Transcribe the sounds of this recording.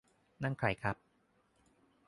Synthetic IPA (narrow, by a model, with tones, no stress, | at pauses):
na˥˩ŋkʰɾa̰˧˩jkʰɾa˦˥p̚